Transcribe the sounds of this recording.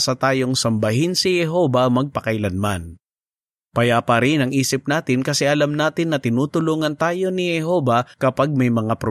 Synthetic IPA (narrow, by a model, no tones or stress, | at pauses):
sɐt̪aːjo̞ŋsɐmbɐɦɪnsɪhɛɦo̞ːbɐmɐɡ̚pɐkɐjlɐnman | pɐjapɐɾɪnɐŋʔiːsɪp̚naːt̪ɪnkɐsɛʔɐlamnaːt̪ɪnːɐt̪ɪnuːt̪ʊluːŋɐnt̪aːjo̞nɪhɛɦo̞ːbɐkɐpaɡ̚mɐjmɐŋapɾo